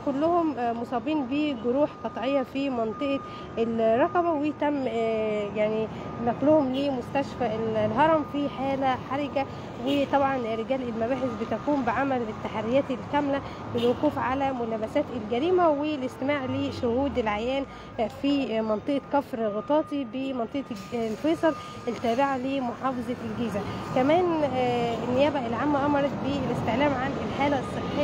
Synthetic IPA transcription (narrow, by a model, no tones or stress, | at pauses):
kʊlːʊhʊmmːosˤɑːbiːnbiɡoɾuːħqɑt̪ˤʕejːɑfimɑnt̪ˤɨʔɑ | elɾˤɑqɑbæwet̪æmːjaʕni | nɑqlohʊmliːmʊst̪æʃfællɦɑɾˤɑmfiħaːlæħɑɾˤɑɡæ | wet̪ˤɑbʕɑnɾːeɡæːlelmæbaːħesbɪt̪ækuːmbɪʕamælet̪ːaħaɾːɪjæːt̪elkæmlæ | bɪlwoquːfʕalæmʊlæːbæsæːt̪elɡæɾiːmæwelɪst̪ɪmaːʕleːʃʊhuːd̪elʕajæːn | fiːmɑnt̪ˤɨʔɑkæfɾɣot̪ˤɑːt̪ˤibemɑnt̪ˤɨʔlfeːsˤɑl | ʔelt̪ːæːbɪʕalemoħɑːfɑzˤɑlɡiːzækæmæːn | ɪnːɪjæːbæʔɪlʕamːæʔɑmɑɾˤɑt̪̚belɪst̪eʕlæːmʕanɪlħaːlæsˤːɨħːe